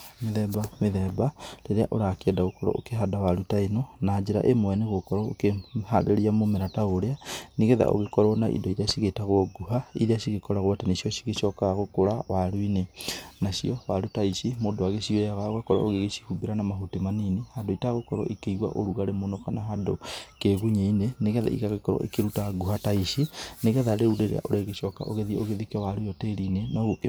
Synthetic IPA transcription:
meðɛbameðɛbaleɾeaʔoɾakeɛdaɣokɔɾɔ̰ʔo̰keɦadawaɾutaenɔnad͡ʒeɾa̰ʔemwɛneɣokɔɾɔokehaɾeɾiamomeɾataoɾeaniɣeða̰ʔo̰ɣekɔɾɔnaʔḭndɔiɾeaɕiɣetaɣwɔɡuɦaḭɾeaɕiɣekɔɾaɣwatanesiɔʃiɣeʃɔkaɣokoɾawaɾwinenaɕiɔwaɾutaiʃimoːdowaɣeɕiɔjaɣaoɣakɔɾa̰oɣeɣeʃi̥humbeɾanamaɦutemaniːnehandoitaaɣokɔɾɔ̰ʔikeiɣwa̰ʔoɾuɣaɾemonɔkanaɦadokeɣuɲeineneɣɛða̰ḭɣaɣekɔɾɔ̰ʔḭkeɾutaɡuhataiʃineɣɛðaɾeuɾeɾḛa̰ʔoɾeɣeʃɔka̰ʔoɣeðioɣeðikɔwaɾujɔteɾinenɔɣu

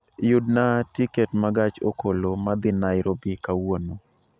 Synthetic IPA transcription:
jʊdnatikɛtmaɡat͡ʃokolomad̪ɪnaɪɾobikawono

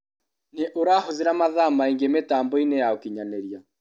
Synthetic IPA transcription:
neʔoɾahoðeɾamaðamaiŋɡemetaːmbɔinejaokiɲanɛɾia

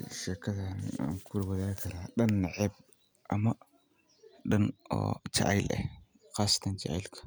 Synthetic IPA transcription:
ʃɛːkʰɐðɐna̰ːŋkʰʊɾwɐðaːɣkʰɐɾaːɗɐnːɑʕɛb̚ | ʔɐ̰mɐ | ɗɐnɔ̰ːt͡ʃɐ̰ʕ̰jlɛ̰ | ɑːsɐ̥t̪ʰɐnt͡ʃɑʕɛ̰jlkʰɐ̥

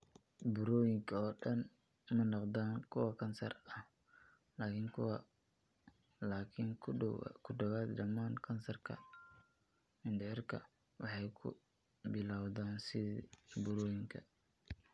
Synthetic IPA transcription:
bʊɾɔːjɪŋkʰɐɔːɖɐn | mɐnɔqd̪aːnkʰʊwɑkʰɐnsɐ̰rɐh | laːkʰɪŋkʰʊw | laːkʰɪŋ̰ʰkʰʊɖɐwaːd̪dɐmaːnkʰɐnsɐrkʰɐ̰ | mɪnd̪ɪɪrkʰɐ̰ | wɑħɑjkʰʊ̰ | bɪlaːwðaːnsɪðbʊɾɔːjɪŋkʰɐ̰

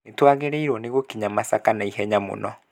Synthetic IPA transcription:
netwaɣeɾɛiɾwɔneɣokiɲamasakanaihɛɲamo̰nɔ

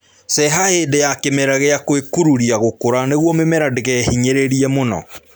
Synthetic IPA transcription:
sɛɦaedejakemɛɾaɣeakwekuɾuɾiaɣokoɾaneɣwɔmemɛɾadeɣɛhiɲeɾeɾiɛmonɔ̰

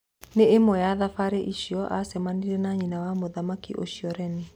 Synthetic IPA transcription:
neemɔjaðafaɾeʔiʃiɔʔasɛmaniɾɛnaɲinawamoðamakiʔoʃiɔɾɛne

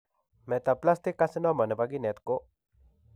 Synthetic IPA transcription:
met̪aplast̪ikːasinɔmənebaɡinet̪ko

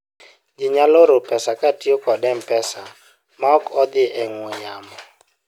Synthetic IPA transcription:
d͡ʒɪɲaloɾopɛsakatiokɔdɛmpɛsa | maɔkɔd̪ɪʔɛŋwoɲamɔ

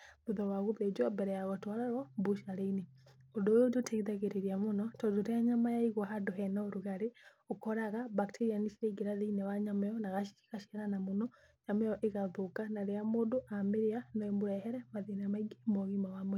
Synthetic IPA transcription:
uðɔwaɣoβed͡ʒɔmbɛɾɛjaɣɔtwaɾaɾɔmbuʃaɾeine | ondojodotʰeɣiðaɣeɾeɾiamonɔtɔdoɾeaɲamajaiɣoɦadoɦɛnaoɾuɣaɾe | okɔɾaɣabaktʰeɾianiʃiɾeiɡeɾaðinɛwaɲamajɔnaɣaʃi̥i̥kaʃiaɾanamonɔ | ɲamajɔʔeɣaðokanaɾeamondoʔameɾeanɔɛmuɾɛhɛɾɛmaðinaamaiɡemoɣimawamwɛ

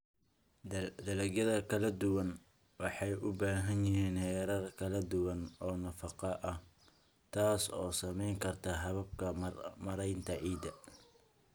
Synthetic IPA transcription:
d̪ɐlɐɣjɐðɐkʰɐlɐd̪ʊwɐn | wɑħɑjʔʊbaːɦɐnjɪɦiːnhɛːɾɐrkʰɐlɐd̪ʊwɐnɔːnɐfɑqɑʔɐh | t̪ʰaːsɔ̰ːsɐmɛjŋkʰɐrt̪ʰɐɦɐβɐb̚kʰɐmɐɾɛjnt̪ʰɐʕiːd̪ɐ

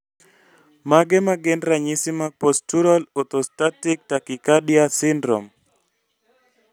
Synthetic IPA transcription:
maɡɛmaɡɛnɾaɲisimapostuɾalɔt̪ostatik̚takikadiasɪndɾɔ̰m

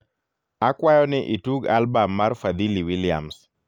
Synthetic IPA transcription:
akwajɔnɪʔituɡalbamːarfad̪iliwilɪa̰ms

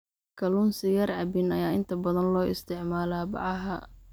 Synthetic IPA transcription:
kʰɐluːnsɪjɐrʕɑbɪnɐjaːɪnt̪ʰɐbɐðɐnlɔːʔɪ̰st̪ʰɪʕmaːlaːbɑ̰ʕɑɦɐ

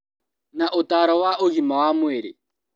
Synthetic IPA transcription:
naʔotaɾɔwaʔoɣimawamweɾḛ

